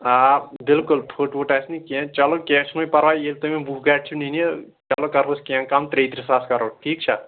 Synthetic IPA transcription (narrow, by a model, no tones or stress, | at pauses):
abɪlkʊlpʰoːʈʋoːʈaːsnikɛ̃t͡ʃɐloːkẽt͡ʃʰnõːpɐɾʋaːjeːlt̪omẽbuːkɡaːʈ̚t͡ʃʰuninie | t͡ʃɐloːkɐɾpʰoskɛ̃kamt̪ɾeːt̪ɾisaːskɐɾoːʈʰiːkt͡ʃʰa